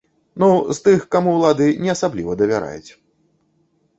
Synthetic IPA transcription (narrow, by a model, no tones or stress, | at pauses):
nuzt̪ɨxkamuwlˠad̪ɨnʲɛɐsablʲivɐd̪ɐvʲaɾa̰jut͡sʲ